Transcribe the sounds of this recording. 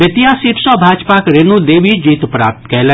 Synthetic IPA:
ət̪ijaːsiːʈsɔ̃ːbʱaːd͡ʒpaːkɾenud̪eːʋid͡ʒiːt̪pɾa̰ːp̚t̪kɛlɛ

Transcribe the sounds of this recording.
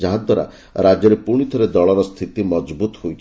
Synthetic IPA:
d͡ʒaɦad̪waɾa̰ | ɾad͡ʒjɔɾepuɽ̃it̪ʰɔɾed̪ɔɭɔɾɔst̪ʰit̪imɔd͡ʒbut̪hojt͡ʃʰ

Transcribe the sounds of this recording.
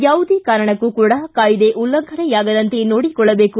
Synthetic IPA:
jaːʋud̪ekaːɾɐɳɐkːukuːɽɐkaːjid̪eʔulːɐɡʱɐnɐjaːɡɐd̪ɐnt̪enoːɽikɔɭːɐbe̞ːku

